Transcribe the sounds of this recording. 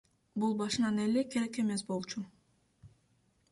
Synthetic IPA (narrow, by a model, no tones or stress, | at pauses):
bulˠbɑʃɯnɑnelekʰeɾeke̞me̞sbo̞lˠt͡ʃu